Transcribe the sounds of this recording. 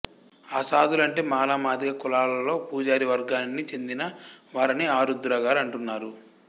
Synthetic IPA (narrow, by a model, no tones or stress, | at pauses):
asaːd̪ulɐɳʈe̞ːmaːlaːmaːd̪iɡɐkulaːlɐlo̞ːpuːd͡ʒaːɾiʋɐɾɡaːnːit͡ʃe̞nd̪inɐʋaːɾiniaːɾud̪ɾɐɡaːɾɐɳʈunːaːɾu